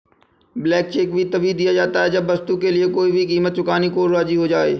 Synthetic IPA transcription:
blɛːk̚t͡ʃeːkbʱit̪ɐbiːd̪ijad͡ʒaːt̪aɦɛd͡ʒɐbːɐst̪ukelɪekoːibʱikiːmət̪̚t͡ʃʊkaːnikoːɾɾaːd͡ʒiɦod͡ʒaːḛː

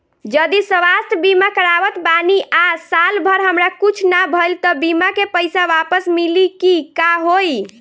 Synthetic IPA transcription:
d͡ʒəd̪isəʋast̪ʰbimakəɾaʋət̪baniʔasalbʱəɾɦəmɾakut͡ʃʰnabʱəlt̪əbimakepəjsaʋapəsmilikikaɦoj

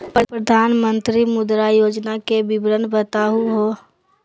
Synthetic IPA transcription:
pɾəpɾəd̪ʱaːnmə̃nt̪ɾimʊd̪ɾajoːd͡ʒnakebɪbɾənbət̪aːɦuɦo

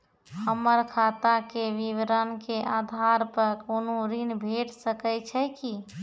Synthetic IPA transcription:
həmːəɾkʰat̪akeʋiʋɾənkeʔad̪ʱaɾpəɾkonoɾinbʱeʈsəkət͡ʃʰɛki

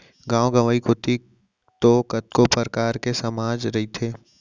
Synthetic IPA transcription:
ɡãːoɡɐʋəːikot̪i | t̪okət̪kopəɾəkaːɾkesɐmaːd͡ʒɾɐɦit̪ʰeː

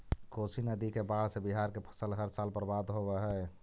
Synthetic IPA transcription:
kosinəd̪ikebaɽsebiɦaɾkepʰə̥səlɦəɾsalpəɾbad̪ɦobɛɦɛ

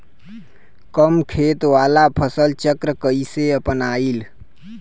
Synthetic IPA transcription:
kəmkʰet̪ʋalapʰəsəlt͡ʃəkɾəkəiseəpənail

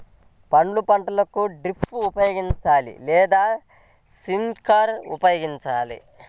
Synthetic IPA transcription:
pɐɳɖlupɐɳʈɐlɐkuɖɾipʰːuupɐjoːɡiɲt͡ʃaːlḭlɛːd̪aː | sinkaɾṵpɐjoːɡiɲt͡ʃaːlḭ

